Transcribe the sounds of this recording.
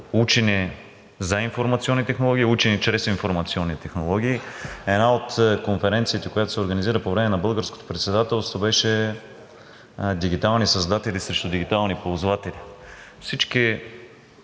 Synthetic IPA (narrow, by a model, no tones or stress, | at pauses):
ut͡ʃɛni | zɐinfoɾmɐt̪siɔnːit̪ɛxnolˠɔɡʲiːut͡ʃɛnit͡ʃɾɛsinfoɾmɐt̪siɔnːit̪ɛxnolˠɔɡ̟ʲiːɛd̪naot̪konfɛɾɛnt̪sijət̪ɛkojat̪osɛoɾɡəniziɾəpovɾɛmɛnɐbɤlˠɡəɾsko̥t̪o̥pɾɛt̪sɛd̪at̪ɛlˠst̪vobɛʃɛ | d̪iɡit̪alˠnisɐzd̪at̪ɛlʲisɾɛʃt̪ʊd̪iɡ̟it̪alˠnipozvat̪ɛlifsit͡ʃki